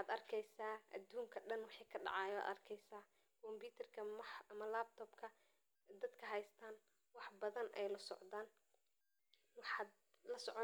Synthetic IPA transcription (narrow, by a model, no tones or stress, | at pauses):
ħɑːd̪ɐrkʰɛjsaːʔɐd̪uːŋkʰɐɖɐnwɑħɑːkʰɐɖɑ̰ʕɑːja̰ːd̪ɐ̰rkʰɛjsaː | kʰɔmbuːt̪ʰɐrkʰɐmɐħɐmɐlaːb̚t̪ʰɔːbkʰɐ | d̪ɐd̪kʰɐɦɛjst̪ʰaːn | wɑħbɐðɐnʔɛjlɐsɔ̰ʕd̪aːn | wɑħɑːd̪ | lɐsɔʕɔ